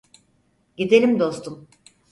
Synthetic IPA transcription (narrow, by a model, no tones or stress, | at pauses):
ɟid̪elʲimd̪o̞st̪ʰum